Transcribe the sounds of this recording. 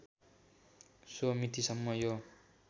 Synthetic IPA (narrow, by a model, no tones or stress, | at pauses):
somit̪isʌmːʌjo